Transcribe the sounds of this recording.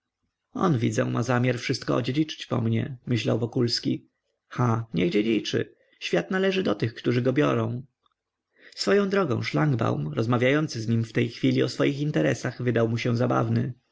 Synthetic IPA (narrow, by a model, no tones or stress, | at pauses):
ɔ̰nvʲḭd̪zɛ̰̃mʔa̰zamʲjaɾfʂɘst̪kɔɔ̰d͡ʑed͡ʑit͡ʂɘ̥t͡ɕpɔ̰mɲɛmɘɕla̰wvɔkulskʲi | xaɲɛɡd͡ʑɛd͡ʑit͡ʂɘ̰ | ɕfʲjat̪nalɛʐɘd̪ɔt̪ɘxkt̪uʐɘɡɔbʲjɔ̰ɾɔ̃w̃ | sfɔjɔ̃w̃d̪ɾɔɡɔ̰̃w̃ʂlaŋɡba̰wmɾɔzmavʲjajɔnt̪sɘzɲimft̪ɛjxfʲilʲiɔsfɔjixint̪ɛɾɛsaxvɘd̪awmuɕɛ̃zaba̰vnɘ